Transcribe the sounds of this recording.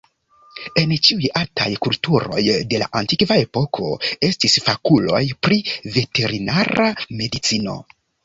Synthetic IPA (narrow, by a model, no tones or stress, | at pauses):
e̞nt͡ʃiujalta̰jkultuɾo̞̰jde̞la̰ʔantikvae̞po̞kʰo̞̰e̞stisfakulo̞̰jpɾive̞te̞ɾinaɾame̞dit͡sino̞̰